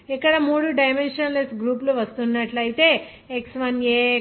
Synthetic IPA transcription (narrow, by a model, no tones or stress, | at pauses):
ekːɐɽamoɽuɖajmenʃənlesɡɾuːploʋɐst̪unːaʈlajit̪e | eksʋɐnje